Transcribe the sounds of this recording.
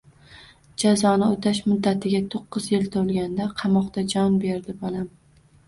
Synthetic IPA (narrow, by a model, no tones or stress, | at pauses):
d͡ʒazɒnɪot̪ʰaʃmʊd̪ːat̪ʰɪɡʲat̪ʰoqːɨzjɪlt̪ʰolˠɡʲand̪aqʰɑmɒqt̪ad͡ʒɒnbe̞ɾd̪ɪbɒlam